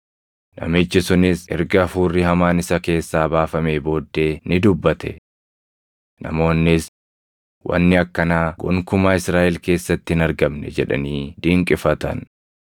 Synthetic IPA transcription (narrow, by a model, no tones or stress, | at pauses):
nʔɐ̰mɪt͡ʃːɪsʊnɪsɛɾɡɐfuːrːɪhɐmaːnɪsɐke̞ːsːaːbaːfɐmeːbo̞ːd̪ːe̞ːnɪd̪ʊbːɐt̪ɛ̰ | nɐ̰mo̞ːnːɪs | wʔɐ̰nːɪɐkːɐnaːɡɔŋkʊmaːɪsɾaːʔɪlke̞ːsːɐt̪ːɪɪnɐɾɡɐmnɛ̰d͡ʒɛᶑɐ̰niːd̪iːŋkʼɪfɐt̪ɐ̰n